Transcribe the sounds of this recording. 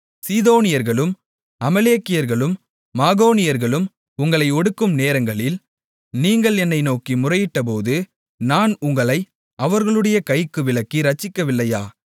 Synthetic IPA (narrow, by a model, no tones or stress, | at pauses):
siːðoːnɪjɐɾɣɐɭɯm | ɐmɐleːkːɪjɐɾɣɐɭɯmː | aːɣoːnɪjɐɾɣɐɭɯm | ʊŋɡɐɭɐɪɔɽɯkːɯmneːɾɐŋɡɐɭɪl | niːŋɡɐɭɛnːɐɪnoːkimʊrɐjɪʈːɐp̬oːðɯ | naːnʊŋɡɐɭɐɪ | ʔɐʋɐɾɣɐɭɯɽɐjɐkɐɪkːɯʋɪɭɐkːiɾɐt͡ʃːɪkːɐʋɪlːɐjaː